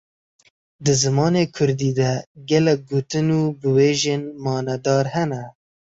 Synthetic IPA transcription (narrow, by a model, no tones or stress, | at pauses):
d̪ɨzɨmɑːneːkʰʊɾd̪iːd̪ɛɡɛlɛk̚ɡoːt̪ɨnuːbɨweːʒeːnmɑːnɛd̪ɑːɾhɛnɛ